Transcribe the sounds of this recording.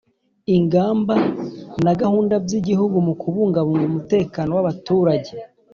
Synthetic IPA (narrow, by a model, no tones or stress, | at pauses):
iŋɡaːmbanaɡahuːndabjiɟihuɡumukʰuβuːŋɡaβuŋɡumute̞ːkaːno̞waβatuːɾaɟe̞